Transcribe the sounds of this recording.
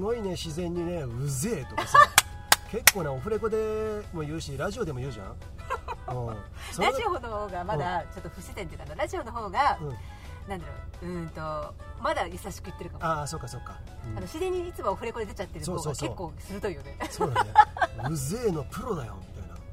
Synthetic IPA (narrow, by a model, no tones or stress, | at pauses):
ɡo̞ine̞ɕizẽ̞ɲ̟ːine̞ɯ̟zeːt̪okasa | ke̞kːo̞ːneo̞ɸɯ̟ɾe̞ko̞d̪e̞mo̞jɯ̟ːɕiɾaʑio̞d̪e̞mo̞jɯ̟ːʑã̰ | õ | soɾazioɦo̞nohoːɡamad̪at͡ɕo̞t̪ːoɸɯ̟ɕit̪ẽnekanoɾaʑio̞no̞ɦo̞ːɡaɯ̃ | nãnd̪aɾo̞̰ɯ̟̃t̪o̞ | mad̪ajasaɕi̥kɯit̪ːe̞ɾɯ̟kamaso̞ːkːaso̞kːa | ano̞ɕizẽ̞ɲ̟ːiit͡sɨmooɸɯ̟ɾe̞ko̞d̪e̞d̪et͡ɕat̪ːe̞ɾɯsoːosoaːskoeːkːoːsɨɾɯt̪oijod̪esoːnaɯ̟zeːno̞pɯ̟ɾo̞d̪ajo̞̰mit̪aina̰